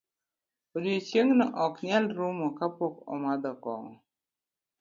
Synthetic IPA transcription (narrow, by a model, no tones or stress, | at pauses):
odiot͡ʃjeŋnɔʔɔkɲalɾumɔkapokɔ̰mad̪ɔkɔ̰ŋɔ